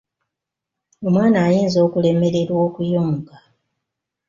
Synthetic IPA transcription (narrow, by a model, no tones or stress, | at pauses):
o̞mwaːnaːjeːnzo̞ːkule̞me̞ɾe̞ɾwo̞ːkujo̞ːŋɡa